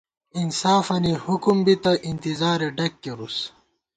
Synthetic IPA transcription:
insaːfɐnihukumbit̪ɐʔint̪izaːɾeɖɐkːeɾus

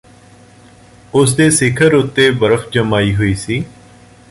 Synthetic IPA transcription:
ʊsd̪eːsɪkʰəɾʊt̪ːeːbəɾəfd͡ʒəmaːiːɦoːiːsiː

